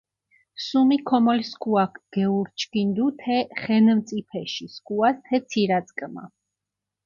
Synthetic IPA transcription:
sumikʰɔmɔliskʼuakʰɡ̥ɛuɾt͡ʃʰʼkind̪ut̪ʰɛχɛnmt̪sʼipʰɛʃiskʼuast̪ʰɛt̪sʰiɾad̪sʼkʼma̰

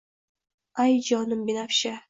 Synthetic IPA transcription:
ajd͡ʒɒnɨmbenafʃa

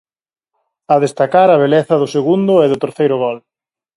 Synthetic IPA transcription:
ɐðest̪akaɾɐβ̞eleθɐðʊseɣund̪ʊɛðʊt̪eɾθejɾʊɣɔl

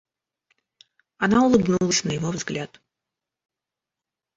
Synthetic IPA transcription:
ɐnaʊlˠɨbnulˠəsʲnəjɪvovzɡlʲat̪

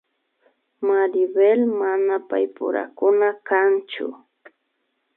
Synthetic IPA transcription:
maɾɪbelmanapajpʊ̰ɾa̰kʊnakant͡ʃʊ̰

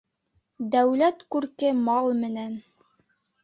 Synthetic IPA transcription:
d̪æwlæt̪kʉɾkɘmɑlˠmɘ̆næn

